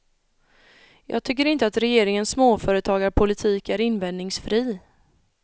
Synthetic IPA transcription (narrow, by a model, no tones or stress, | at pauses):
jɑ̰ːɡ̚t̪ʰʏk̬ːəɾɪnt̪əat̪ɾɛjeːɾɪŋənsːmoːfœːɾət̪ʰɑːɡaɾpʰʊlɪt̪ʰiːkæɾɪnvɛnnɪŋsfɾiː